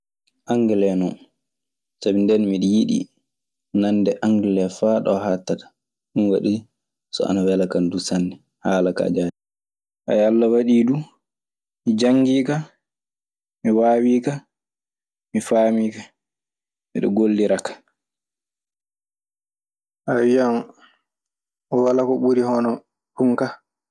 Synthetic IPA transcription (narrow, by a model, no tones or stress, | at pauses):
ʔaŋɡɛlɛnɔn | sabindɛnmiɗijiɗḭ | nandɛʔaŋɡɛlɛfaːɗɔhatːatḁ | ɗunwaɗi | sɔ̰a̰nawɛlakandusanːdɛ | haːlaka̰d͡ʒaːdi | ʔa̰jalːawaɗidu | mid͡ʒaŋɡiːka | miwaːwiːka | mifaːmiːka | mḭɗɔ̰ɡolːiɾakḁ | ʔawijam | ɔwalakɔɓuɾihɔnɔ | puŋka